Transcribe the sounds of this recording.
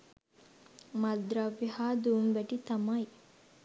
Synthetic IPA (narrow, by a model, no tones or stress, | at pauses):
mɐd̪ɾaʋːihaːd̪umʋæʈit̪ɐmɐj